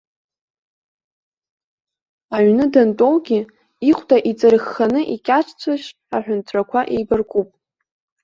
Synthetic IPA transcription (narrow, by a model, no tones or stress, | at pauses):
aɥnɨdantʼowɡʲi | iχʷtʼaʔit͡sʼɨɾχːanɨʔikʲʼaʈ͡ʂʰt͡sʷʰaʃ | aħᶣʊntʰakʷʰaʔejbarkʰʷʼupʼ